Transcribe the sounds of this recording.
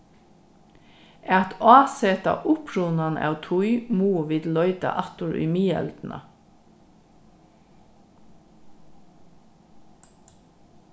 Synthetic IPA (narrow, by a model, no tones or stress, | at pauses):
ʔæt̪ʰɑːseːt̪ɑ̰ːʔʊpʰɹʊnɑnʔɑ̰t̪ʰʊʏmuːʋɪd̪lɔʏd̪ɑ̰ʔɑt̪ʊɹʉ̰miːɛ̰ld̪̥n̩ʔɑ̰